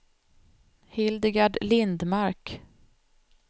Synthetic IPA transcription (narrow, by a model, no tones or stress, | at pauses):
hɪld̪ɪɡaɖlɪnd̪maɾk